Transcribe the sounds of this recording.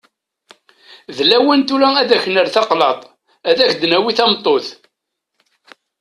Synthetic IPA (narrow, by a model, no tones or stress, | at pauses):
ðlæwənt̪ulææðæçənəɾθɑqlɑt̪ˤ | æðæçd̪næwiθɑmt̪ˤːoθ